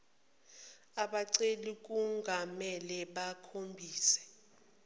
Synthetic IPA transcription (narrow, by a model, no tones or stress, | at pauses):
aɓaǀelik̬uŋɡʱamɛlɛɓakʰombʱiːsɛ̥